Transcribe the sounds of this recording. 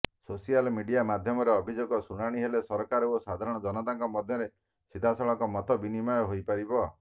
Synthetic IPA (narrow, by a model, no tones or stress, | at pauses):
sosialmiɖijamad̪ʱjɔmɔɾeɔbʱid͡ʒoɡɔsuɽ̃aɽ̃iɦelesɔɾkaɾɔosad̪ʱaɾɔɽ̃ɔd͡ʒɔnɔt̪aŋkɔmɔd̪ʱjɔɾe | sid̪ʱasɔɭɔŋkɔmɔt̪ɔbinimɔjɔɦojpaɾibɔ